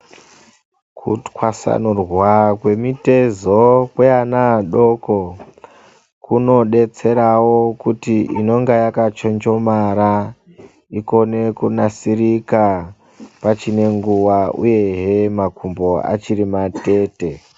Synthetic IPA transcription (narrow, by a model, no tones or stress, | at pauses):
kʰṵtkwasa̰nurwakwe̞mite̞zokweanaɗo̞ko | kuno̞ɗe̞t͡se̞ɾawokutiʔino̞ŋɡajakat͡ʃond͡ʒo̞maɾa | iko̞ne̞kunasirika | pat͡ʃine̞ŋɡuwaṵje̞ɦemakʰumbo̞a̰t͡ʃiɾimate̞ːte̞